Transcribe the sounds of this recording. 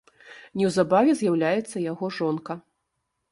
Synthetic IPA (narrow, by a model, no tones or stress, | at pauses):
nʲɛwzabavʲɛzʲjawlʲajɛt̪sːɐjaɣɔʐɔnkɐ